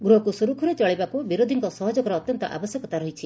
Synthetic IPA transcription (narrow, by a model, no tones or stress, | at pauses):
ɡɾuɦɔkusuɾukʰuɾet͡ʃɔɭibakubiɾod̪ʱiŋkɔsɔɦɔd͡ʒɔkɔɾɔːt̪jɔnt̪ɔʔa̰bɔsjɔkɔt̪aɾɔɦit͡ʃʰi